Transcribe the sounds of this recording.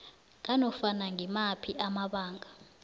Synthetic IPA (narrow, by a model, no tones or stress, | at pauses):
k̬ʼanɔfanaŋʱɛmapʰiʔamaɓaːŋɡʱa